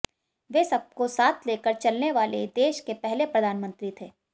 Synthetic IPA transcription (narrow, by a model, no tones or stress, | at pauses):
ʋeːsɐb̚kosaːt̪ʰleːkəɾt͡ʃɐlneʋaːled̪eːʃkepɛɦlepɾɐd̪ʱaːnmə̃nt̪ɾit̪ʰeː